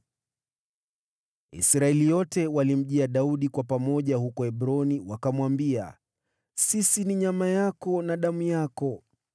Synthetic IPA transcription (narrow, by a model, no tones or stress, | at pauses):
ḭsɾaɛlijɔtɛwalim̩ʄiaɗauɗikwapamɔʄahukɔɛɓɾɔniwakamwambia̰ | sisiniɲamajakɔnaɗamujakɔ